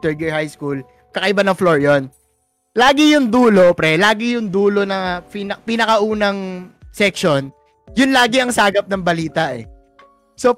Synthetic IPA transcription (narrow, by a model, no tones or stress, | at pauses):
t̪ɛɹɡɛhajskul | kɐkɐʔɪbanɐŋfloɹjon | laːɡɪjʊŋd̪uːlo̞pɾɛlaːɡɪjʊŋd̪uːlo̞nɐpɪnɐpɪnɐkɐʔuːnɐŋsɛkʃo̞n | jʊnlaːɡɪɐŋsaːɡɐp̚nɐŋbɐliːt̪ɐʔɛ̰ | so